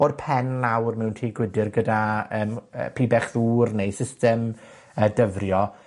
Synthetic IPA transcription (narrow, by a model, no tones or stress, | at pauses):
oðpʰɛnlawrmɪwntʰiːɡwɪdɪrɡədaəːmə̰pʰiːbɛχðuːrnejsɪstɛm | əːdəvrjɔ